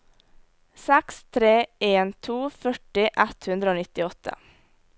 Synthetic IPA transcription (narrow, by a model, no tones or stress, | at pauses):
sɛkst̪ʰɾeːeːnt̪ʰuːfœʈɪʔɛt̪hʉnd̪ɾəoːnɪt̪ɪɔt̪ʰə̰